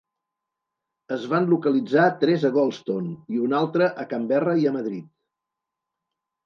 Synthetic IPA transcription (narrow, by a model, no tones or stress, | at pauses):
əzβanlukəlid͡zat̪ɾɛzəɣɔlˠst̪oniunalˠt̪ɾəʔəkambɛrəiəməðɾit̪̚